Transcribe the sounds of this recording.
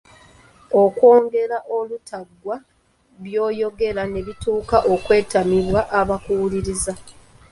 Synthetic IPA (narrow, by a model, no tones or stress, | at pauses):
o̞kwo̞ːŋɡe̞ɾaʔo̞lutʰaɡwa | βjo̞ːjo̞ɡe̞ɾane̞βituːkaʔo̞kwe̞ːtamiβwaʔːβakuːliɾiza